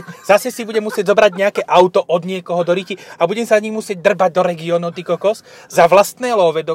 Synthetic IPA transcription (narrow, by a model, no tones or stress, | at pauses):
z̥asɛsibuɟɛmusɪɛɟzɔbɾaɟɲɛakɛːʔawt̪ɔʔɔd̪ɲɪɛkɔɦɔd̪ɔɾiciabuɟɛmsaɲimusɪɛɟ̚d̪r̩baɟ̚d̪ɔɾɛɡiɔːnɔʊt̪ikɔkɔs | zaʋlast̪nɛːlɔːʋɛd̪ɔ